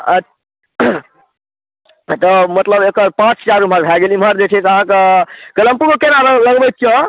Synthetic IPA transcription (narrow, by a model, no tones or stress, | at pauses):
ə | t̪ɔmət̪ləbekəɾpãt͡ʃt͡ʃaɾum̤əɾbʱɛɡelimɦəɾd͡ʒet͡ʃʰɛt̪əɦãkekələmpukekenaɾələɡbɛt̪̚t͡ʃjɔ̃